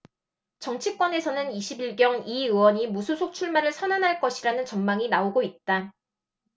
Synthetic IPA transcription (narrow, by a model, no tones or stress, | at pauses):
t͡ɕʌŋt͡ɕʰik͈wʌne̞sʰʌnɯniɕʰibiɭɡjʌŋiɯwʌɲimusʰusʰok̚t͡ɕʰuɭmaɾɯɭsʰʌnanɦaɭk͈ʌɕʰiɾanɯnt͡ɕʌŋmaŋinaoɡoit̚t͈a